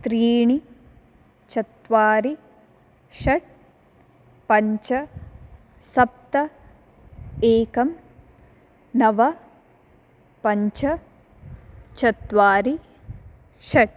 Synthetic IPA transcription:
t̪ɾiːɳi | t͡ʃɐt̪ʋaːɾi | ʃɐʈ̚ | pɐɲt͡ʃɐ | sɐp̚t̪ɐ | eːkɐm | nɐʋɐ | pɐɲt͡ʃɐ | t͡ʃɐt̪ʋaːɾi | ʃɐʈ̚

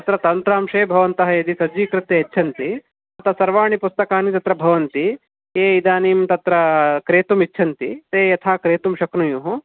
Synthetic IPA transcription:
t̪ɐt̪ɾɐt̪ɐnt̪ɾaːmʂeːbʱɐʋɐnt̪ɐɦɐjɐd̪isɐd͡ʒʋiːkɾɪt̪ːeɐtːt͡ʃʰɐnt̪i | ɐt̪ɐsɐɾʋaːɳipust̪ɐkaːnit̪ɐt̪ɾɐbʱɐʋɐnt̪i | eːid̪aːniːmt̪ɐt̪ɾɐkɾeːt̪umitːʃʰɐnt̪it̪eːjɐt̪ʰaːkɾeːt̪umʃɐknujuɦu

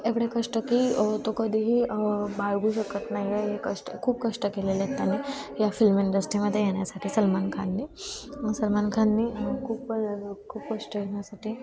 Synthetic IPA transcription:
eʋɽekəʂʈəkiːt̪okəd̪ʱiɦiːbaɭɡuːɕəkət̪naɦieɦekəʂʈəkʰuːb̚kəʂʈəkelelet̪ːanejafilmiɳɖəsʈɾiməd̪ʱjejeɽ̃jasaʈʰiːsəlmankʰanːiːsəlmankʰanːiːkʰuːpəkʰuːpkəʂʈəɦeɳ̃jasaʈʰiː

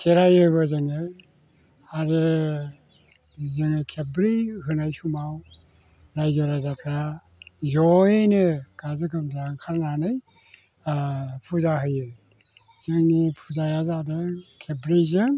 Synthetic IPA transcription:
kʰeɾajɯbɯzɯŋɯ | aɾɯ | zɯnɯkʰebɾiɦɯnajsumaw | ɾajzɔɾazakʰɾa | zɔjenɯɡazɯkʰɯmzaŋkʰaɾnanɯj | pʰuzaɦɯjɯ | zɯŋnipʰuzajazadɯkʰebɾizɯ

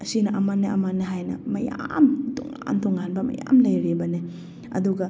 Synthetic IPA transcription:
ɐsinɐʔɐmanːɐʔɐmanːɐɦajnɐ̰mɐjamtɔ̰ŋant̪ɔŋanbɐmɐ̰jamlɐjɾebɐne | ɐ̰duɡɐ

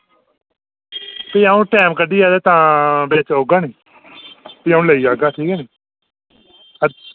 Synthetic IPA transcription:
piːaːũːʈɛːmkəɖiːaːd̪eːt̪ãːbeːt͡ʃoːɡaːnĩː | piːaːũːləiːaːɡaːʈʰiːkɛːnĩː | ə

